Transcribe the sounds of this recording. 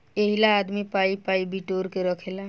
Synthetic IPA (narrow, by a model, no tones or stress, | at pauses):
eɦilaːd̪mipaːipaːibiʈoːɾkeɾəkʰeːla